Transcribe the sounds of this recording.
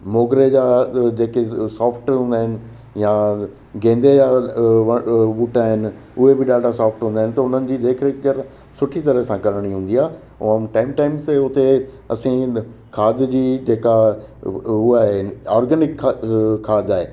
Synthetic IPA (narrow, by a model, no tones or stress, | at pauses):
moːɡɾed͡ʑaːd͡ʑeːkesɔːfʈɦũːnd̪aːɦɪnɪ̆ | ja | ɡẽːnd̪ejaʋʋuːʈaːɦɪnɪ̆ | ʊɦebɪɗaːɖasaːfʈɦũːnaːɪnɪ̆t̪ɐʊn̤ənɪ̆d͡ʑiːd̪eːkʰɾekʄɐɾ | sʊʈʰit̪ɐɾəsãkɐɽəɽ̃iɦũːn̆d̪iaː | ʊə̃mʈaːɪmʈaːɪmst̪eʊt̪e | ɐsĩkʰaːd̪d͡ʑiːd͡ʑeːka | ɦuaːɦeɔːɾɡənɪkkʰːaːd̪aːɦeː